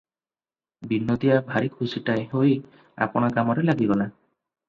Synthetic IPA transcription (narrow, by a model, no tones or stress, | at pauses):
binːod̪iabʱaɾikʰusiʈaeɦoj | a̰pɔɽ̃ɔkamɔɾelaɡiɡɔla